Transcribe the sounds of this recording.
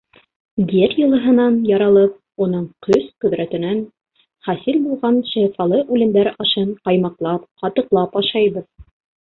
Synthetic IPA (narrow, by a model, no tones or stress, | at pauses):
bʲɘɾjɤ̆lˠɤ̆ɦɤ̆nɑnjɑɾɑlˠɤp̚ | unɤɴqʰɵsqɵ̆ðɾæt̪ɘ̆næn | χæsilbulˠʁɑnʃɑjfɑlˠɤʔʉlɘ̆md̪æɾɑʃɤɴqɑjmɑqlˠɑpqɑt̪ɤ̆qlˠɑpɑʃɑjβɤð